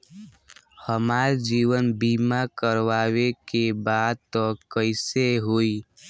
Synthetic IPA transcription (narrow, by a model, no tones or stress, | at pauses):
həmaːɾd͡ʒiwənbimakəɾʋawekebad̪̚t̪ɔkəɪseɦoi